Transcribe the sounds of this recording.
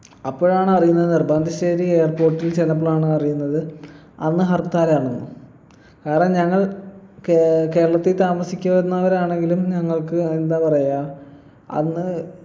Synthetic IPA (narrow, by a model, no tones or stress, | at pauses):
ɐpːoːɻaːɳɨɐrijunːɐðɨnirbaːnd̪ʱiɕeːɾie̞ːrpo̞ːrʈːilt͡ɕenɐpːɭaːɳɨɐrijunːɐðɨ | ɐnːɨɦɐrt̪aːɾaːɳonːu | kaːɾɐɳɐmɲɐŋːɐɭ | ke̞ːɾɐɭɐt̪ːit̪aːmɐsikʲːɐpɐɾunːɐʋɐɾaːɳe̞ŋɡilumɲɐŋːɐɭkɨend̪aːpɐrɐjaːl | ɐ̰nːɨ